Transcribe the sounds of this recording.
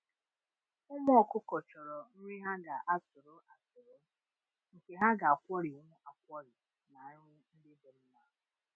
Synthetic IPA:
ʊ˦mɔ˦ɔ˨kʊ˦kɔ˨t͡ʃɔ˨ɾɔ˨n̩˦ɲʷi˦ɦa˦ɡa˨ʔa˨tʊ˨ɾʊ˦a˨tʊ˨ɾo˦ | ŋ̩˨ke˨ɦa˦ɡa˨a˨kʷɔ˦ɾɪ˨ʊ˦mʊ˦ʔa˨kʷɔ˦ɾɪ˨ | na˨ɲʊ˦ŋʷʊ˦n̩˦dɪ˦be˨ɾ̩˦na˦ɦʊ˨

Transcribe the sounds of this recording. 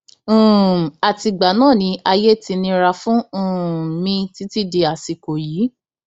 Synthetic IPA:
a˨ti˧ɡ͡ba˨˦nãː˦˨nĩ˧a˧je˦ti˧nĩ˧ɾa˧fũ˦˨mĩ˧ti˨˦ti˦˨de˧a˨si˨ko˨jiː˨˦

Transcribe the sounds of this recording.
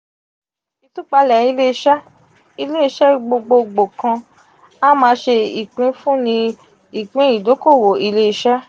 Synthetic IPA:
i˧tu˦k͡pa˧lɛ˨i˧le˦i˧˦ʃa˦ | i˧le˦i˧˦ʃɛ˦˨˧ɡ͡bo˧ɡ͡bo˧ɡ͡bo˨kã˧ | a˦mãː˧˦ʃe˧ḭ˨k͡pĩ˨˦fũ˦nĩ˧ | i˨k͡pĩ˨˦i˦˨do˨˦ko˦˨wo˨i˧le˦i˧ʃa˦

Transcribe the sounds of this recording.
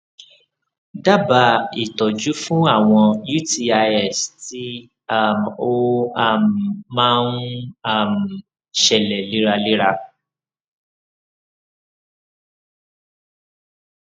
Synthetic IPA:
da˦˨ba˧i˨tɔ˨d͡ʒu˨˦fũ˦a˦˨w̃ɔ̃˧ju˦˨ti˧a˧ɛ˦˨sti˨˦ | a˦˨m˨o˦a˦˨m˨mã˦n̩˦a˦˨m̩˨ | ʃɛ˨lɛ˨li˦ɾa˧li˦ɾa˧

